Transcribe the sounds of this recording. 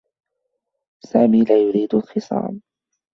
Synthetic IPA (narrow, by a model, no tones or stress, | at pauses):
saːmiːlaːjʊɾiːd̪alxɨsˤɑ̰ːl